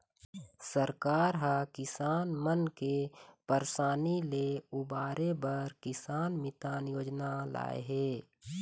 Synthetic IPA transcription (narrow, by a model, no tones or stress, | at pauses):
səɾkaːɾɦakɪsaːnmənkepəɾsaːnileubaːɾebəɾkɪsaːnmɪt̪aːnjoːd͡ʒnala̰ːḛɦɛː